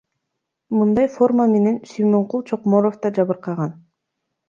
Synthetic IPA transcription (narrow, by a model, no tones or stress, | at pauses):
mɯnd̪ɑjfo̞rmame̞ne̞nʃimo̞ɴqulˠt͡ʃʰo̞qmo̞ɾoft̪ɑd͡ʒɑβɯɾqɑʁɑn